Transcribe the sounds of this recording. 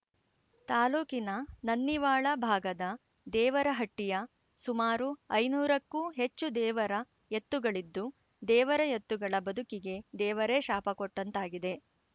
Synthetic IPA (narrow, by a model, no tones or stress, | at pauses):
t̪aːluːkinɐnɐnːiʋaːɭɐbʱaːɡɐd̪ɐ | d̪ɛːʋɐɾɐɦɐʈːijɐ | sumaːɾuɐjnuːɾɐkːuːɦe̞t͡ʃːud̪ɛːʋɐɾɐ | jet̪ːuɡɐɭid̪ːu | d̪ɛːʋɐɾɐjet̪ːuɡɐɭɐbɐd̪ʱukiɡe̞d̪ɛːʋɐɾe̞ːʃaːpɐkɔʈːɐnt̪aːɡid̪e̞